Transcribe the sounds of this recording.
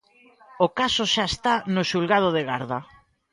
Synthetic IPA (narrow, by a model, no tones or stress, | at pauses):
okasoʃaest̪anʊʃulɣað̞oðeɣaɾða